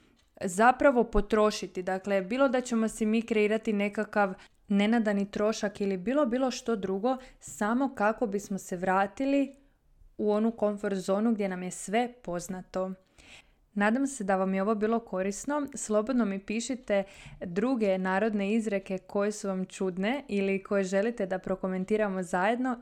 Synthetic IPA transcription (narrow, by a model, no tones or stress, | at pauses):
zapɾaʋo̞po̞t̪ɾo̞ʃit̪id̪akle̞biːlˠo̞d̪at͡ɕe̞mo̞sɛmiːkɾe̞iːɾat̪ine̞kakaʋ | ne̞nad̪anit̪ɾo̞ʃakilibiːlˠo̞biːlˠo̞ʃt̪o̞d̪ɾuɡo̞samo̞kako̞bismo̞se̞ʋɾaːt̪ili | uo̞nuko̞ɱfo̞ɾt̪zo̞ːnuɡdje̞namje̞sʋe̞po̞znat̪o̞ | naːd̪amse̞d̪aʋamjeo̞ʋo̞biːlˠo̞ko̞ɾisno̞slˠo̞bod̪no̞mipiːʃit̪e̞d̪ɾuɡe̞naːɾo̞d̪ne̞izɾe̞ke̞ko̞je̞suʋamt͡ʃud̪ne̞iliko̞jeʒe̞lit̪e̞d̪apɾo̞ko̞me̞nt̪iːɾamo̞zaje̞d̪no̞